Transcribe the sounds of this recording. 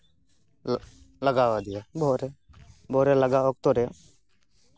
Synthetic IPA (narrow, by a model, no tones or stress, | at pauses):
ləɡaːʋad̪iebʱoːɾebʱoːɾeːləɡaːok̚t̪oɾe